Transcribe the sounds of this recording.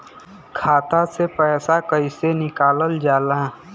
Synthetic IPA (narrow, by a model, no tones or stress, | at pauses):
kʰaːt̪asepɛːsakəisenɪkaːləld͡ʒaːla